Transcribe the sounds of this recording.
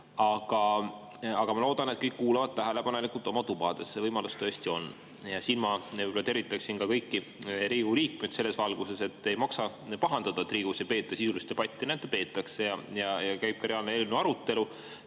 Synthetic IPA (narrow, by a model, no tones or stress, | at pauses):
ɑɡ̥ɑ | ɑɡ̥ɑmɑlo̞ːd̪̥ɑnet̪̚kɤjkːkuːlɑvɑd̪̥̚t̪æɦele̞pɑne̞likːˑult̪ˑo̞mɑt̪ubɑd̪̥e̞sːevɤjmɑlust̪ø̞est̪io̞n | jɑsinmɑelet̪e̞ɾvit̪ːˑɑksinkɑkɤjkːi | riːɡuliːk̚med̪̥se̞lːe̞svɑlɡ̥use̞se̞t̪ːe̞jmɑksɑ | pɑɦɑnd̪̥ɑd̪ɑt̪riːɡ̥usejpe̞ːt̪ːˑɑsisulist̪e̞pɑt̪ʲˑːinænd̪̥epe̞ːt̪ːˑɑkse̞jɑjɑjɑkæjb̥̚kɑɾeɑːlneelnuɑɾut̪ːˑe̞lu